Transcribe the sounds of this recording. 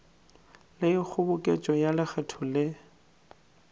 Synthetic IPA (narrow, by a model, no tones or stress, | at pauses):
lɪɪk͡xʰʊbʊkʼet͡ʃʼɔjalɪχɛtʰɔlɪ